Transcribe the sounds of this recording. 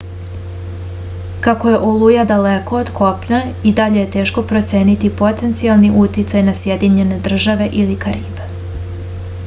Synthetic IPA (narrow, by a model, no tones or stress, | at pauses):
kako̞je̞ʔolujad̪aleko̞od̪kʰo̞pɲaid̪aʎe̞jet̪e̞ːʃko̞pɾo̞t̪sjeːnit̪ipo̞t̪e̞nt̪sialˠniʔut̪jit̪sajnasje̞d̪iɲe̞ne̞d̪r̩ʒaʋe̞ʔilikaɾiːbe